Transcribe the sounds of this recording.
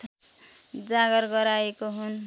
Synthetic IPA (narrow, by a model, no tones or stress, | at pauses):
d͡zaɡʌɾɡʌɾaekoɦun